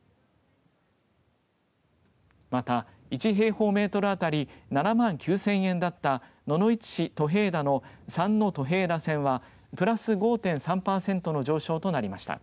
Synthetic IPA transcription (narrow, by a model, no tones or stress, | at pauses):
mat̪a | it͡ɕiɦe̞ːho̞ːme̞ːt̪o̞ɾɯ̟at̪aɾʲinanamãŋkʲɨːsẽɰ̃ẽ̞nd̪at̪ːa | no̞no̞it͡ɕi̥ɕit̪o̞ɦe̞ːd̪ano̞sãnːo̞t̪o̞ɦe̞ːd̪asẽ̞ɰ̃βa | pɯ̟ɾasɨɡo̞ːt̪ẽ̞ɰ̃sãmpaːsẽ̞nt̪o̞no̞ʑo̞ːɕo̞ːt̪o̞naɾʲimaɕi̥t̪a̰